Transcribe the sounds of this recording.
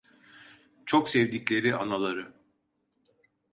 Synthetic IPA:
t͡ʃʰoksevd̪iclʲe̞ɾianalˠaɾɯ

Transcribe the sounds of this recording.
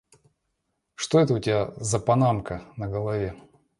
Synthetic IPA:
ʂt̪o̞ɛt̪əʊtʲɪbʲazɐpɐnamkənəɡəlˠɐvʲe

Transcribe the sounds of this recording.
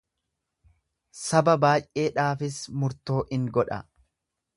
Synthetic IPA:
sɐbɐbaːjʔe̞ːᶑaːfɪsmʊɾt̪o̞ːʔɪŋɡɔᶑɐ̰

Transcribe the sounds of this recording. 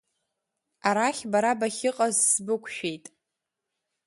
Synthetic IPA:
aɾaχʲbaɾabaχʲɪqʼazsbɨkʷʰʃᶣejtʼ

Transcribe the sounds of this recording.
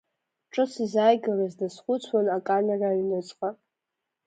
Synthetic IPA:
ʈ͡ʂʼɨsizaːjɡalazdasχʷʊt͡sʷʰwanakʼaneraɥnɨt͡sʷʼqʼa

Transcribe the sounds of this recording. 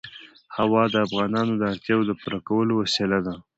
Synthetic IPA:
hawɑd̪əafɣɑnɑnod̪əaɾt̪jɑwod̪əpuɾakawəlowasilad̪a

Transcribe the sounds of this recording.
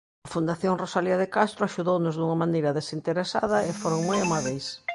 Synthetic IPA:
ɐfund̪aθjoŋrosaliɐðekast̪ɾoaʃuðownʊzðuŋɐmanejɾɐðesint̪eɾesa̰ðɐɪfoɾoŋmojamaβejs

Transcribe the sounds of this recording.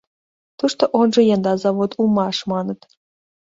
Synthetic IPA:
t̪uʃt̪oʔonʒĕjɑnd̪ɑzɑβot̪umɑʃmɑnɤ̆t̪

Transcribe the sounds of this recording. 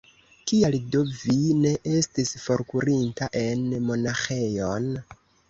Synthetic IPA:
kialdovine̞ʔestisfo̞ɾkuɾintaʔe̞nmo̞naxe̞jo̞n

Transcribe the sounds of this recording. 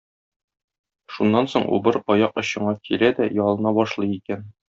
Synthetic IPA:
ʃunːɑnsoɴʔṵbɤɾɒjɑqŏɕɤ̆ɴɑkʰilæd̪æjɒlˠɤ̆nɑbɒʃlˠɤjikæn

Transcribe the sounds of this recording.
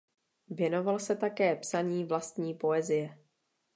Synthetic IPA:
vjɛno̞valsɛt̪akɛːpsaɲiːvlast̪ɲiːpo̞ɛzɪjɛ

